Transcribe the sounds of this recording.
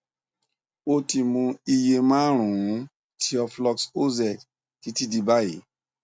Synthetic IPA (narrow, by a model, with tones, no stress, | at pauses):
o˧ti˧mũ˧i˧je˧mãː˦ɾ̃ũ˨ũ˨˦ | tʰi˧˦ɔ˧flɔ˧kso˦zɛ˦˨k | ti˨˦ti˦di˧ba˦jḛ˨˦